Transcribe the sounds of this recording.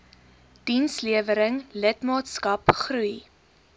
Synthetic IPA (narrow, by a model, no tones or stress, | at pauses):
d̥insliəvəɾəŋlətmɑːtskɐpχruj